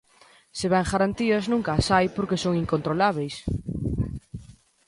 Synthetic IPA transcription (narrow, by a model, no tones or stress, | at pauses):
seβɛŋxaɾant̪iɐznũŋkasajpoɾkesoŋiŋkont̪ɾolaβ̞ejs